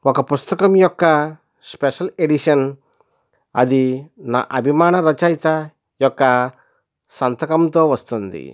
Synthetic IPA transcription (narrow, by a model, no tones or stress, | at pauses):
ɔkɐpust̪ɐkɐmjɔkːɐ | speʃɐleɖiʃɐn | ɐ̰d̪ina̰ːʔɐbʱimaːɳɐɾɐt͡ʃajt̪a | jɔkːɐ | sɐnt̪ɐkɐmt̪oːʋɐst̪und̪ḭ